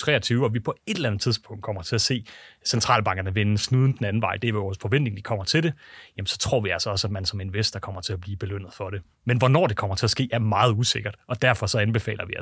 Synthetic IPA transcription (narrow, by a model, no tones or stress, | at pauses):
t͡sʰʁɛ̰ːɐt͡sʰyːʊɒ̽ʋipʰɒ̽e̝d̥lænð̩ˠt͡sʰiðˠsb̥ʰɔ̽ŋ̰d̥̚kʰɒ̽m̰ɐt͡sʰe̝æse̝̰ːsent͡sʰʁɑ̈ːlb̥ɑ̈ŋɡ̥ɐnəʋensnuːð̞ˠn̩d̥enæn̩ʋɑ̈ɪ̰d̥e̝æɐjoɒsfɒʋen̰d̥e̝ŋdi̥kʰɒ̽m̰ɐt͡sʰe̝lde̝jæmnsɒ̽t͡sʰʁo̝ɐ̰ʋiælsɐɒ̽sæd̥̚mænsɒ̽me̝nʋesd̥ɐkʰɒ̽m̰ɐt͡sʰe̝æb̥liːb̥e̝løn̰ð̩ˠfɒ̽ɾ̥e̝ | menʋɒnɒ̰ːd̥e̝kʰɒ̽m̰ɐt͡sʰe̝æsɡ̥e̝̰ːæɐmɑ̈ːð̞̩ˠuse̝ɡ̥ɐd̥ʔɒ̽d̥æɐfɒ̽sɒ̽ænb̥e̝fɛ̰ːlɐʋiæ